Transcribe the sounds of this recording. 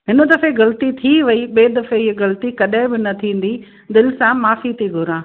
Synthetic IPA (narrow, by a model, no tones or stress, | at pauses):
ɦɪnə̆d̪ɐfeɣɐlt̪it̪ʰiʋɐiɓeːd̪ɐfeɪɣɐlt̪ikɐɗãɦɪ̃bɪnɐt̪ʰĩːn̆d̪i | d̪ɪlɪ̆sãmaːfit̪ʰiɡʱʊɾãː